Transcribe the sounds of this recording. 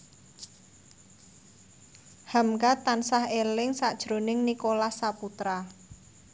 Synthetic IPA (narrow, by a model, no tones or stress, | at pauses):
hamkat̪ansahelɪŋsaʔd̥ʒ̥ɾo̤nɪŋnikolahsaput̪ɾa